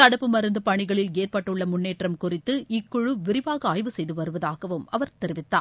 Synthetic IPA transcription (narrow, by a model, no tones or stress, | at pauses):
kɐɽɐpːɯmɐɾɯnd̪ɐpɐɳɪɣɐɭɪleːrpɐʈːɯɭːɐmʊnːeːʈrɐmkʊrɪt̪ːɯɪkːʊɻɯʋɪɾɪʋaːɣɐaːjʋɯsɛjðɯʋɐɾɯʋɐðaːɣɐʋɯmɐʋɐɾt̪ɛɾɪʋɪt̪ːa̰ː